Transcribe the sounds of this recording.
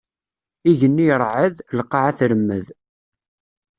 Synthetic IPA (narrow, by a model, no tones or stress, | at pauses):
iʝənːiɾˤʕəðlqːɑʕaθɾəmːə̰ð